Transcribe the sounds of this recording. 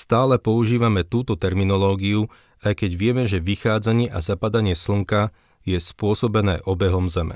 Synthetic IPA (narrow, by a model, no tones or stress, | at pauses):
st̪aːlɛpɔuʒiːʋamɛt̪uːt̪ɔt̪ɛɾminɔlɔːɡiu | ajkɛɟʋɪɛmɛʒɛʋixaːd͡zaɲɪɛʔazapad̪aɲɪɛsl̩ŋka | jɛspʊɔsɔbɛnɛːʔɔbɛɦɔmzɛmɛ̰